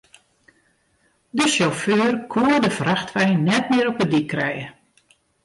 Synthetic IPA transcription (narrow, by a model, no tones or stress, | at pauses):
dəʃoføːrkʰuərdəfraxtʋɛjnɛtmɪəɾɔpədikʰːrɛjə